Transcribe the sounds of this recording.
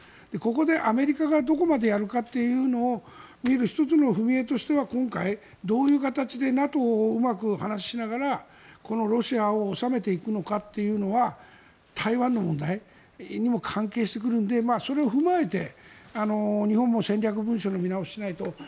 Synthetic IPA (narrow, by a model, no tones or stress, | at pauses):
d̪̥e̞ko̞ko̞d̪e̞ʔame̞ɾʲikaɡad̪o̞ko̞mad̪e̞jaɾɯ̟kat̪ːe̞jɯ̟ːno̞ː | mʲieɾɯ̟çi̥t̪o̞t͡sɨno̞ɸɯ̟mʲie̞t̪o̞ɕi̥t̪e̞βakõ̞ŋkai | d̪o̞ːjɯ̟ːkat̪at͡ɕid̪e̞nat̪o̞ːɯmakɯ̟hanaɕi̥ɕinaɣaɾa | ko̞no̞ɾo̞ɕiaoːsame̞t̪e̞ikɯno̞kat̪ːe̞jɯ̟ːno̞βa | t̪ʰaiβãnːo̞mõ̞nd̪ai | ɲ̟imo̞kʰãŋke̞ːɕ̬i̥t̪e̞k̬ɯ̟ɾɯ̟̃nd̪e̞maːso̞ɾe̞o̞ɸɯ̟mae̞t̪e̞̰ano̞ɲ̟ihõ̞mːo̞sẽ̞nʲɾʲak̬ɯ̟bɯ̟̃ɰ̃ɕo̞no̞mʲinaoɕinait̪o̞